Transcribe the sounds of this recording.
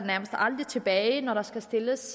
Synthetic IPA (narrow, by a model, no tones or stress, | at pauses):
næɐməsd̥ɑ̈ld̥ʁit͡sʰe̝b̥ɛːɪnɒɾɑ̈sɡ̥æsd̥e̝ləs